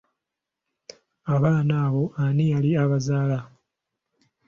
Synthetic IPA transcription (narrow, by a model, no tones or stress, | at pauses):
aβaːnaːβo̞anijaliaβazaːla